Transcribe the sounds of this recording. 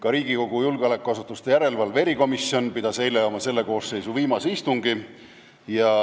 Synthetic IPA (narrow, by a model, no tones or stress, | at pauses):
kɑɾiːɡiko̞ɡ̥ujulɡ̥eɑlekːˑuɑsut̪ːˑust̪e̞jæɾe̞lvɑlve̞ɾiko̞misio̞npid̪̥ɑse̞jlejɑmɑse̞lːe̞ko̞ːsse̞jsuviːmɑsist̪uŋɡi | jɑ